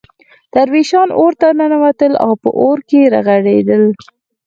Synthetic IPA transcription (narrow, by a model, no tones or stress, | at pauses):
t̪aɾwiʃɑnoɾt̪ananawat̪əla̰wpə̰ʔoɾkeɾa̰ɣaɽed̪əl